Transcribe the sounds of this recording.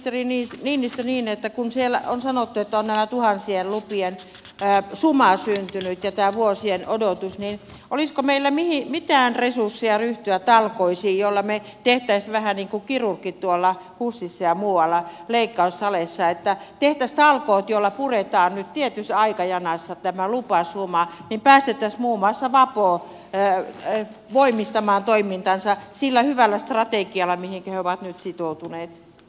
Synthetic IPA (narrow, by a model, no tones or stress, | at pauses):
t̪eriniːsniːnːist̪eniːnet̪ːækunsielonsɑnot̪ːuet̪ːæonnæmæt̪uhɑnsiellupienː | sumɑsynt̪ynyt̪jɑt̪æːʋuosienodot̪usnin | ʔoliskomeilːæmihimit̪æːnresursːiɑryht̪yæt̪ɑlkoisiːjjolːɑme | t̪eht̪æisʋæhæniːŋkukirurkːitt̪uolːɑ | husːisːɑjɑmuːwɑlːɑleikːɑussɑlesːɑet̪ːæt̪eht̪æst̪ɑlkoːt̪jolːɑpuret̪ɑːnnyt̪t̪iet̪ysɑikɑjɑnɑsːɑt̪æmælupɑˑsuːmɑːnimpæːst̪et̪ːˑæsmuːmɑˑsːɑʋɑpoː | ʋoimist̪ɑmɑːnt̪oimint̪ɑnsɑsilːæhyʋælːæst̪rɑt̪ekiɑlːɑmihiŋkæheoʋɑt̪nyt̪sit̪out̪uneːt̪